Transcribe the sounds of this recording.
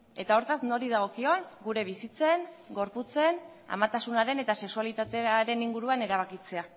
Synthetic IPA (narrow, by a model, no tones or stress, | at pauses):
e̞t̪ao̞ɾt̪azno̞ɾiðaɣ̞o̞kio̞nɡuɾe̞β̞isit͡se̞nɡo̞ɾput͡se̞n | a̰mat̪asunaɾe̞ne̞t̪ase̞ksualit̪at̪eaɾe̞niŋɡuɾuane̞ɾaβ̞akit͡se̞a